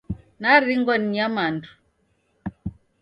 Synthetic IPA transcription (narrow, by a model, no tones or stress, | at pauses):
naɾiŋɡɔniɲamandu̥